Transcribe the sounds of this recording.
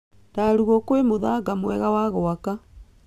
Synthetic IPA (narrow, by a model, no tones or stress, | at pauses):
taːɾuɣɔkwemoðaɡamwɛɣawaɣɔaka